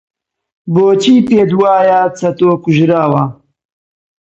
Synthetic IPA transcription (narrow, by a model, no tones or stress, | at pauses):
boːt͡ʃiːt̪eːd̪waːjaːt͡sʰɐt̪oːkuʒɾaːwɐ